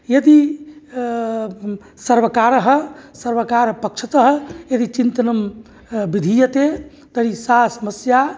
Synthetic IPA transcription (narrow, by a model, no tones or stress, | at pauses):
jɐd̪i | səɾbəkaɾɦsəɾʋəkaɾpɐkt͡ʃʰət̪əɦjɐd̪it͡ʃint̪ənəm | bid̪ʱijət̪e | t̪əɾisasəməsja